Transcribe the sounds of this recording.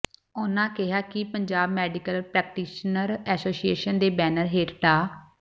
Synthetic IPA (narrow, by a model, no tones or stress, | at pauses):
ʊnãːkɪɦaːkɪpəɲd͡ʒaːbmɛːɖɪkəlpɾɛːk̚ʈiːʃnəɾɛːsoːsieːʃənd̪eːbɛːnəɾɦeːʈɖ̪aː